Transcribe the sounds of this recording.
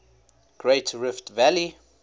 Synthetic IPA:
ɡ̥ɹeɪtʰɹɪftvæli

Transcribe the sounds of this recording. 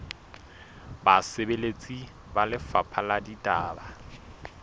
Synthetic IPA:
basɪbelet͡sʼi | balɪfapʰaladitʼaːba

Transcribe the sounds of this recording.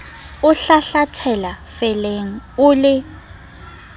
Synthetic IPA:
ʊɬaɬatʰɛlafɛleŋ̩ʊlɪ

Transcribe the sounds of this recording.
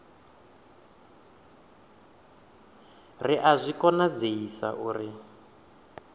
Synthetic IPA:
riʔazʷikɔnad͡zeisa̰ʔuːri

